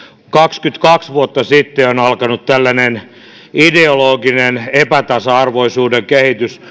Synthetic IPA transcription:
kɑkskyt̪kɑksʋuot̪ːɑsit̪ːeonɑlkɑnut̪t̪ælːænen | ideoloːɡinenepæt̪ɑsɑɑrʋoisuːdeŋkehit̪ys

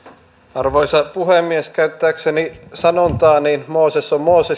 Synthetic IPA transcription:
ɑrʋojsɑpuɦemːieskæyt̪ːæːksenisɑnont̪ɑːninmoːsesommoːse

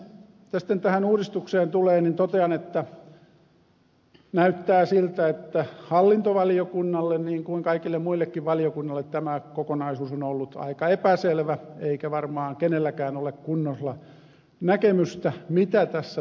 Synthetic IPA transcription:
it̪ːæsi̥t̪ːent̪æhænuːrist̪ukseːnt̪uleːnint̪ot̪eɑnet̪ːæ | næyt̪ːæːsilt̪æet̪ːæhɑlːint̪oʋɑliokunːɑlːenniːŋkuiŋkɑikilːemmuilːekːiʋʋɑliokunːɑlːˑet̪t̪æmækokonɑisuːsonolːut̪ɑ̰ikɑepæselʋæeikæʋɑrmɑːŋkenelːækæːnolekkunːoslɑ | nækemyst̪æmit̪æt̪æsːæ

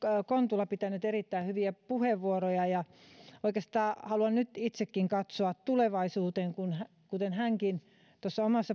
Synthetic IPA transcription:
kont̪ulːɑpit̪ænyt̪erit̪ːæihyʋiæpuheʋʋuorojɑjɑoikest̪ɑːhɑluɑnnyt̪it̪sekːiŋkɑt̪soɑt̪t̪uleʋɑisuːt̪eŋkunhæ | kut̪enhæŋkin | t̪osːɑomɑsːɑ

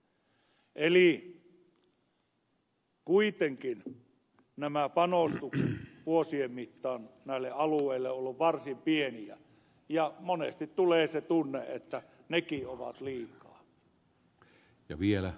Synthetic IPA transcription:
ʔeli | kuit̪eŋkin | næmæpɑnost̪ukset̪ʋuosiemmit̪ːɑːnnæˑilːeʔɑlueˑilːeolːuʋʋɑrsimpieniæ̰ | jɑmonest̪it̪t̪uleːset̪unːḛʔet̪ːæ | nekioʋɑ̰t̪liːkˑɑː | jɑ̰ʋielæ

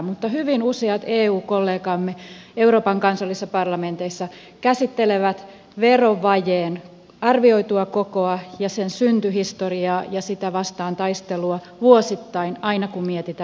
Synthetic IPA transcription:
mut̪ːɑhyʋinuseɑt̪eːuːkolːeːkɑmːeeuroːpɑŋkɑnsɑlːisːɑpɑrlɑment̪eisːɑ | kæsit̪ːeleʋæt̪ | ʋeroʋʋɑjeːn | ɑrʋioit̪uɑkokoɑjɑsensynt̪yhist̪oriɑːjɑsit̪æʋɑst̪ɑːnt̪ɑist̪eluɑ | ʋuosit̪ːɑinɑinɑkumiet̪it̪æ

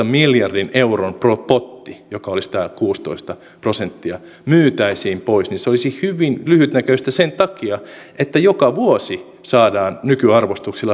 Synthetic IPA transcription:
ɑmiljɑrdineuronpropot̪ːijokɑolisi̥t̪ækuːst̪oist̪ɑ | prosent̪ːiɑ | myːt̪æisiːmpoisninseolisihyʋinlyhyt̪nækøist̪æsent̪ɑkiɑ | ʔet̪ːæjokɑʋuosi | sɑːdɑːnnykyɑrʋost̪uksilːɑ

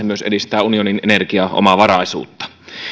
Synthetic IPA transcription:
emyøsedist̪æːunioninʔenerkiɑʔo̰mɑʋɑɾɑisṵːt̪ːɑ̥

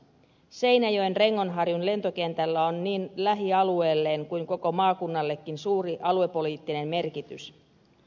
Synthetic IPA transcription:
se̞jnæjo̞jnre̞ŋːo̞nɦɑrjunle̞nt̪o̞ke̞nt̪ælːæonːiːnlæɦiɑlue̞ːlːe̞ːŋkujŋko̞ko̞mɑːkunːɑlːe̞kːinsuːɾiʔɑlue̞pːo̞liːt̪ːine̞mme̞rkit̪ys

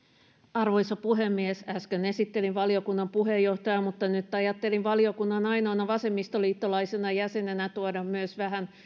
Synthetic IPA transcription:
ɑrʋo̞jsɑpuɦe̞mːiesæskøne̞sit̪ːe̞linʋɑlio̞kunːɑmpuɦe̞jːo̞ht̪ɑjɑmut̪ːɑnyt̪ːɑjɑt̪ːe̞linʋɑlio̞kunːɑnɑjnoɑːnɑʋɑse̞mːist̪oliːt̪ːolɑjsenɑjæse̞nenæt̪uodɑmmyøsʋæɦæn

